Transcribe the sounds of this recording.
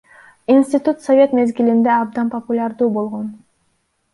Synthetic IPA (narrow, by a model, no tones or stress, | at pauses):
insʲt̪ʲit̪ut̪sovʲe̞t̪me̞zɡʲilind̪eɑb̚d̪ɑnpopulʲaɾd̪uːbo̞lˠʁo̞n